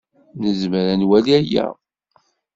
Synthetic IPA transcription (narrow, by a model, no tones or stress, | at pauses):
nəzməɾænwæliæjæ̰